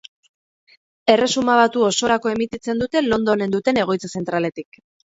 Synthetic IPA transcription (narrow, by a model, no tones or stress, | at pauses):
e̞re̞sumaβ̞at̪uo̞so̞ɾako̞e̞mit̪it͡se̞nd̪ut̪e̞lo̞nd̪o̞ne̞nd̪ut̪e̞ne̞ɣ̞o̞jt͡sase̞nt̪ɾale̞t̪ik